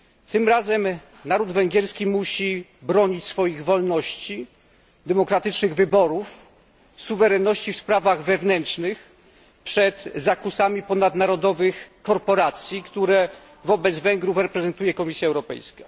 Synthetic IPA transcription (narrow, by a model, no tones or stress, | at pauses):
t̪ɘmɾazɛm | naɾud̪vɛŋɡʲɛɾskʲimuɕibɾɔɲit͡ɕsfɔjiɣvɔlnɔɕt͡ɕi | d̪ɛmɔkɾat̪ɘt͡ʂnɘɣvɘbɔɾuf | suvɛɾɛnːɔɕt͡ɕifspɾavaɣvɛvnɛntʂnɘx | pʂɛt̪zakusamʲipɔnad̪naɾɔd̪ɔvɘxkɔɾpɔɾat̪sʲjikt̪uɾɛ | vɔbɛd̪zvɛŋɡɾufɾɛpɾɛzɛnt̪ujɛkɔmʲisʲjaɛwɾɔpɛ̰jska